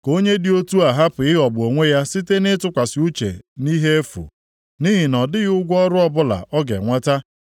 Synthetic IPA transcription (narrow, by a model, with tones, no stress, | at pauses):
ko˦ɲe˦dɪ˦o˦tu˦a˨ɦa˦pʊ˨ɪ˦ɣɔ˨bʊ˨o˨ŋʷe˦ja˦si˦te˦nɪ˦tʊ˦kʷa˨sɪ˨u˦t͡ʃḛ˨ni˦ɦe˦e˦fṵ˨ | ni˦ɦi˨nɔ˨dɪ˦ɣʊ˦ɡʷɔ˦ɾʊ˦ɔ˦bʊ˦la̰˨ʔɔ˦ɡḛ˨ŋʷa˦ta˦